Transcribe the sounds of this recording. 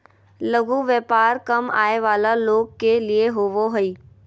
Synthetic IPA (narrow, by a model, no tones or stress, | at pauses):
lɐɡuʋjɛːpaːɾkɐma̰ːeʋaːlaloːɡ̚kːelieɦoʋoɦʊiː